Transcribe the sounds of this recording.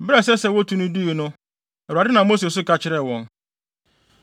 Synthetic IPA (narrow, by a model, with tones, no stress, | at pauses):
bɾɛ˨sɛ˦sɛ˦wɔ˦tʰũ˦nũ˦du˦i˨nʊ̃˦ | ɛ˨a˨dɪ˦nã˨mo˦s̬e˨s̬ʊ˦ka˦t͡ɕʰɪ˨˦ɾɛ˨wɔ̃˨n